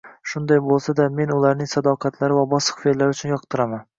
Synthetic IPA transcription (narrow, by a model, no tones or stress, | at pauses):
ʃʊnd̪ajbolˠsad̪ame̞nʊlaɾnɪŋsad̪ɒqʰɑt̪ʰlaɾɪvabɒsɨ̥qfelːaɾʊt͡ʃʰʊnjɒqt̪ʰɨɾaman